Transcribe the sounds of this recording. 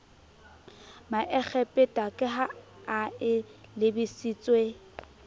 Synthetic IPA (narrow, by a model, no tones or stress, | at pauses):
maʔɛk͡xʰɛpʼɪtʼakʼɪɦaaɪlɪbisit͡sʼwe